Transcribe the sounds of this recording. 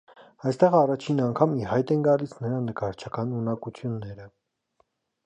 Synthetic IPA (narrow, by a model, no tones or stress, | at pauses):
ɑjst̪ɛʁɑrɑt͡ʃʰinɑŋkʰɑmiɦɑjt̪ɛnɡɑlisʰnəɾɑnəkɑɾt͡ʃʰɑkɑnunɑkut͡sʰjunːɛɾə